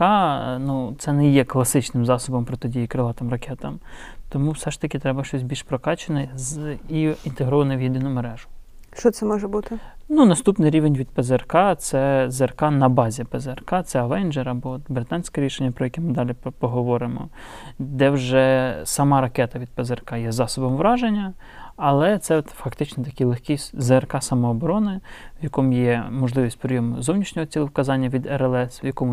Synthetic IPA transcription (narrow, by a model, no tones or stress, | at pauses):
ɑnut̪sɛnɛjɛklˠɐsɪt͡ʃnɪmzɑsɔbɔmpɾɔt̪ɔdʲijikɾɪlˠɑt̪ɪmrɐkʰɛt̪ɐmt̪ɔmuwsɛʃt̪ɐkʲɪt̪ɾɛbɐʃt͡ʃɔsʲbʲilʲʃpɾɔkɑt͡ʃenɐziint̪eɦɾɔʋɐnɐwjid̪ɪnʊmeɾɛʒʊʃt͡ʃɔt̪sɛmɔʒɛbut̪ɪnunɐst̪upnɪjɾʲiʋenʲʋʲid̪̚pɛzerkɑt̪sɛzerkɑnɐbɑzʲipɛzrkɑt̪sɛɐʋɛnd͡ʒɛɾɐbɔɔt̪bɾɪt̪ɑnʲsʲkɛɾʲiʃenʲːɐpɾɔjɐkʲɛmɪd̪ɑlʲipɔɦɔʋɔɾɪmɔ̰ | d̪ɛwʒɛsɐmɑɾɐkɛt̪ɐʋʲid̪̚pɛzerkɑjɛzɑsɔbɔmʋɾɑʒenʲːɐ | ɐlˠɛt̪sɛt̪fɐkt̪ɪt͡ʃnɛt̪ɐkijlˠexʲkʲizerkɑsɐmɔːbɔɾɔnɪʋjɐkɔmʊjɛmɔʒlˠɪʋʲisʲtʲpɾʲɪjɔmʊzɔwnʲiʃnʲɔɦɔt͡sʲilˠʊwkɐzɑnʲːɐʋʲid̪ɛɾɛlˠɛswjɐkɔmʊ